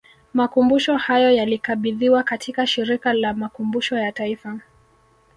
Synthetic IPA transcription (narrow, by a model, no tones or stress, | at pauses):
makumbuʃɔhajɔjalikaɓiðiwakatʰikaʃiɾikalamakumbuʃɔjataifa